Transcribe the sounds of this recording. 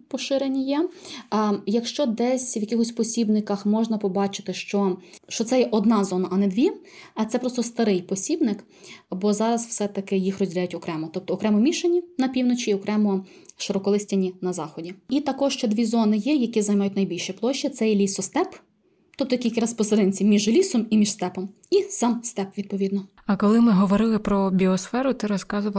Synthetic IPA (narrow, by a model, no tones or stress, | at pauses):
pɔʃɪɾenʲijɛ | jɐkʃt͡ʃɔd̪ɛsʲwjɐkʲixɔsʲpɔsʲibnɪkɐxmɔʒnɐpɔbɑt͡ʃɪ̥t̪ɪʃt͡ʃɔʃt͡ʃɔt̪sɛjɛʔɔd̪nɑzɔnɐʔɐnɛd̪ʋʲi | ɐt̪sɛpɾɔst̪ɔst̪ɐɾɪjpɔsʲibnɪk | bɔzɑɾɐswsɛt̪ɐkɪjixrɔzʲdʲilʲajʊtʲɔkɾɛmɔt̪ɔp̚t̪ɔːkɾɛmɔmʲiʃenʲinɐpʲiwnɔt͡ʃʲiiɔkɾɛmɔ | ʃeɾɔkɔlˠɪsʲtʲɐnʲinɐzɑxɔdʲiit̪ɐkɔʃt͡ʃɛd̪ʋʲizɔnɪjɛjɐkʲizɐjmɑjʊtʲnɐjbʲilʲʃɛplˠɔʃt͡ʃɐt̪sɛjɛlʲisɔst̪ɛp | t̪ɔp̚t̪ɔjkʲilʲkʲɪɾɐspɔseɾɪnʲt͡sʲimʲiʒlʲisɔmimʲiʃst̪ɛpɔm | isɑmst̪ɛpʋʲid̪̚pɔʋʲid̪nɔ | ɐkɔlˠɪmɪɦɔʋɔɾɪlˠɪpɾɔbʲiɔsfɛɾʊt̪ɪɾɔskɑzʊʋɐ